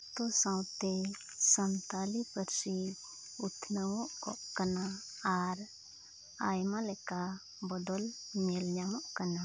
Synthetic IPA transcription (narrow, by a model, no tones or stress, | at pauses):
t̪ɔsãwt̪ɛ | sənt̪alipəɾsi | ut̪ʰnəwɔʔkɔ̰ʔkanaːɾ | ajmalɛka | bɔd̪ɔlmɛlɲamɔʔkana